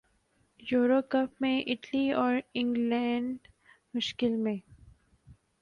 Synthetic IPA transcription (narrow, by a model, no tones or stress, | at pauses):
juːɾokɐpmẽʔɪʈliɔːɾɪ̃ŋɡlɛ̃ːɳɖ | mʊʃkɪlmẽː